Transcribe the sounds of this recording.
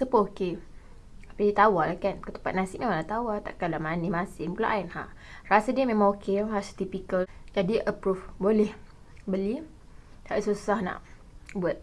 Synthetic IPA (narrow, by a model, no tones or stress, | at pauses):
səpəoke | apidit̪awalakankət̪ə̥mpat̪̚nasɪʔmemalat̪awat̪a̰ʔkalamanimasɪŋpula̰ʔainha̰ʔ | rasadiəmemãŋokeɦast̪ipikəld͡ʒadiʔəpɾufbolɛh | bəli | haʔsusahna̰ʔ | buat̪̚